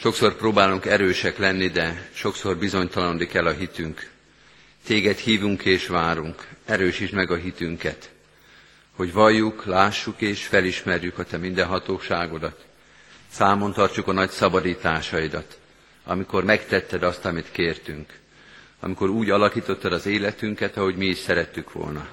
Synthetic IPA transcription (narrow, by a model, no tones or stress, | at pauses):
ʃo̞kso̞rproːbaːluŋkɛɾøːʃɛklɛnːid̪ɛʃo̞kso̞rbizo̞ɲt̪ɒlɒnd̪ikɛlːɒɦit̪yŋk | t̪eːɡɛt̪hiːvuŋkʰeːʃʋaːɾuŋkɛɾøːʃiʃmɛɡɒɦit̪yŋkɛt̪ | ho̞ɟʋɒjːuklaːʃːukeːʃfɛliʃmɛrjykɒt̪ɛmind̪ɛnɦɒt̪oːʃaːɡo̞d̪ɒt̪ | saːmo̞nt̪ɒrt͡ʃukɒnɒcsɒbɒd̪iːt̪aːʃɒid̪ɒt̪ | ɒ̰miko̞rmɛkt̪ɛt̪ːɛd̪ɒst̪ɒmit̪keːrt̪yŋk | ɒ̰miko̞ɾuːɟɒlɒkiːt̪o̞t̪ːɒd̪ɒzeːlɛt̪yŋkɛt̪ɒɦo̞ɟmiːʃsɛɾɛt̪ːykʋo̞̰lnɒ